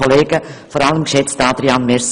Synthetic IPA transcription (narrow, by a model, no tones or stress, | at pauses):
ɔleːɡ̥əfɔɾɑləmkʃɛt͡stɑːd̪ɾiɑnmɛɾs